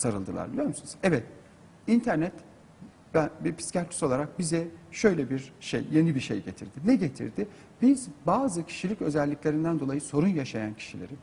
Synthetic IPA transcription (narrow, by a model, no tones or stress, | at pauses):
saɾɯlˠd̪ɯlˠa̰ɾbilʲjo̞ɾmusunuzɛvɛt̪ | int̪ʰæɾnɛt̪ | bæbipʰi̥scaɾt̪ʰy̥so̞lˠaɾak̚bizɛʃø̞jlʲɛbiɾʃḛjje̞nibiɾʃejɟe̞t̪ʰḭɾd̪̥ɪnɛɟe̞t̪ʰḭɾd̪ɪ | bizbaːzɯcʰi̥ʃilʲicø̞zɛlʲːiclʲe̞ɾind̪ænd̪o̞lˠajɯso̞ɾunjaʃajancʰi̥ʃilʲeɾi